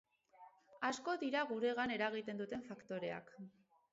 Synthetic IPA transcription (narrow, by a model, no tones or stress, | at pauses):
asko̞ðiɾaɣuɾe̞ɣane̞ɾaɣ̞it̪e̞nd̪ut̪e̞ɱfakt̪o̞ɾe̞a̰k